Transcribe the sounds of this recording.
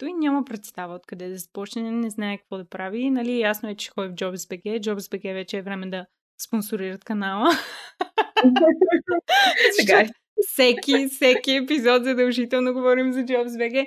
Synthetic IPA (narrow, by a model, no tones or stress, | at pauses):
t̪uinʲamɐpɾɛt̪st̪avəot̪kɐd̪ɛd̪ɐzɐ̥pɔt͡ʃnɛnɛnɛznaɛkɐ̥kvɔd̪ɐpɾavinɐlijasnoɛt͡ʃɛt͡ʃɛ̥xɔɛvd͡ʒɔbzbɛkɛd͡ʒɔbzbɛkɛvɛt͡ʃɛːvɾɛmɛd̪ɐ | sponsʊɾiɾət̪kɐnalˠə | sɛɡa | fsɛkʲifsɛkiɛpizɔt̪zɐd̪ɐlˠʒit̪ɛlˠnoɡovɔɾimzɐd͡ʒɔbzbɛɡɛ